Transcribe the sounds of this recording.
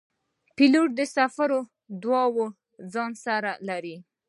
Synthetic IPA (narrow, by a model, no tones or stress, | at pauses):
piloʈ̚d̪əsafaɾo | d̪wɑwo | d͡zɑnsaɾalaɾi